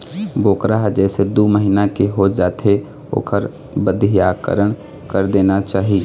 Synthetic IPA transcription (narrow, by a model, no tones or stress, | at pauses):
boːkɾaɦd͡ʒɛːsed̪uːməɦinakeɦod͡ʒaːt̪e | o̰ːkʰəɾ | bəd̪ʱijakə̰ɾəɳ̃ | kəɾd̪eːnat͡ʃaːɦie